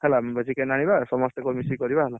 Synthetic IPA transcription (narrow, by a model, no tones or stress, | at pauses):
hɛlabəzikɛnaɽ̃ibasɔmɔst̪ɛkɔmisikɔɾibaɦɛla